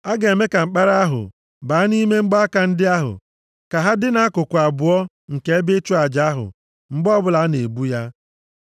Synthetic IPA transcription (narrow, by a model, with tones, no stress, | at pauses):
a˦ɡe˨e˨me˦ka˨ŋ͡m̩˨k͡pa˦ɾa˦a˦ɦʊ̰˨ | baː˨a˦ni˦me˦ŋ͡m̩˦ɡ͡ba˦a˦ka˨n̩˦dɪ˦a˦ɦʊ̰˨ | ka˨ɦa˦dɪ˦na˨˦kʊ˨kʷa˨bʊ˨ɔ˦ | ŋ̩˨ke˦e˦be˦t͡ʃu˦a˨d͡ʒa˦a˦ɦʊ̰˨ | ŋ͡m̩˦ɡ͡bɔ˦bʊ˦la˨˦ne˨bu˦ja˦